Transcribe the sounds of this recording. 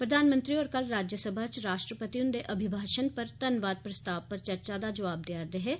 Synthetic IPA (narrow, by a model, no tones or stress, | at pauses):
pɾəd̪ʱaːnmə̃nt̪ɾiɔːɾkɐlɾaːd͡ʒjəsəbʱat͡ʃɾaːʃʈɾəpət̪iʊnd̪eʔɐbʱɪbʱaːʃənpɐɾt̪ɐnʋaːd̪̚pɾɐst̪aːʋpɐɾt͡ʃɐɾt͡ʃaːd̪ad͡ʒɐʋaːb̚d̪jaːɾd̪eɦɛː